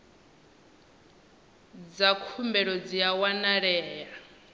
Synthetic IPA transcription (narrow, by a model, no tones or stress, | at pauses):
d͡zakʰumbɛɺɔd͡ziawanaɺɛːja